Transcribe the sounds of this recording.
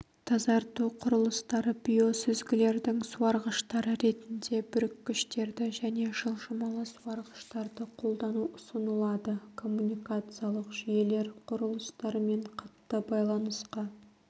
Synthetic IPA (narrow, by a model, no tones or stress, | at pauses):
t̪ʰɑzɑɾt̪uqʰʊɾəlˠəst̪ɑɾəbʲijo̞sɪzɡʲɪle̞ɾd̪ɪŋsuɑɾʁəʃt̪ɑɾəɾe̞t̪ɪnd̪e̞bʏɾɪkʰʲːʏʃt̪e̞ɾd̪ɪʒæne̞ʒəlˠʒəmɑlˠəsuwɑɾʁəʃt̪ɑɾd̪əqʰo̞lˠd̪ɑnuʊsənəlˠɑd̪əkʰo̞mːunʲijkat̪sɨjɑlˠəqʒ̥ije̞le̞ɾqʰʊɾəlˠəst̪ɑɾme̞ɴqʰɑt̪ːəbɑjlˠɑnəsqɑ